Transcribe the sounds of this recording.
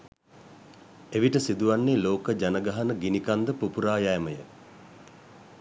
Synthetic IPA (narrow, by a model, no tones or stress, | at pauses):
eʋiʈəsid̪uʋanːeːloːkəd͡ʒanəɡaɦanəɡinikand̪əpupuɾaːjajːməjə